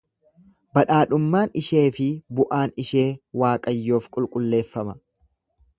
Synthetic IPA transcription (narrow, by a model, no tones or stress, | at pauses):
bɐᶑaːᶑʊmːaːnɪʃe̞ːfɪbʊʔaːnɪʃe̞ːwaːkʼɐjːo̞ːfkʼʊlkʼʊlːe̞ːfːɐmɐ